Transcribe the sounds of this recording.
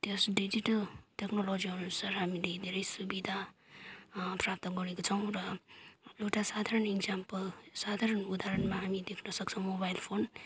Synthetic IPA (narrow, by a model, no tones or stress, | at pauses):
t̪josɖid͡ziʈʌlʈeknolod͡ziɦununsʌɾɦamiled̪ʱeɾʌjsubid̪ʱa | prap̚t̪ʌɡʌɽekot͡sʰʌw̃ɾʌ | ewʈasad̪ʱaɾʌneɡzampʌlsad̪ʱaɾʌnud̪aɾʌnmaɦamid̪ekʰnʌsʌkt͡sʰʌ̃w̃mobajlpʰon